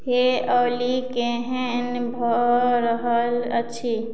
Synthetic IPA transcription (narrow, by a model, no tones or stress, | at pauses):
heɔːlikeɦɛ̃nbʱɔɾəɦələtːʃʰi